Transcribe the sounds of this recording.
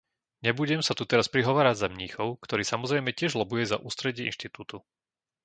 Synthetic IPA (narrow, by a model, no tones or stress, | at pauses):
ɲɛbuɟɛmsat̪ut̪ɛɾaspɾiɦɔʋaːɾaɟzamɲiːxɔʊkt̪ɔɾiːsamɔzɾɛjmɛcɪɛʒlɔbujɛza̰ʔuːst̪ɾɛɟɪɛʔinʃt̪it̪uːt̪u